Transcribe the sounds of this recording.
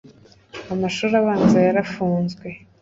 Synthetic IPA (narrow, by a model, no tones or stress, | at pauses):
amaʃuːɾaβaːnzajaɾafuːnzɡwe̞